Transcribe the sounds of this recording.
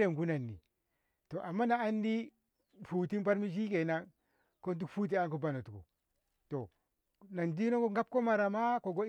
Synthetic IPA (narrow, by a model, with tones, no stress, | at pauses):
ɾe˨ŋ˨ɡu˦na˨nːḭ˨ | to˨ʔa˨mːa˦naː˨˦ndi˦ | fu˨ti˦npa˦ɾmi˦ʃi˦ke˨na˦n | ko˦nt̬u˦fu˦t̬i˦a˦nko˦ba˦no˨tu˨ko̰˨ | to˨ | na˨ndi˦no˦ko˦ŋ˦ɡa˦p̚ko˦ma˨ɾa˨ma˦ko˨ɡo˦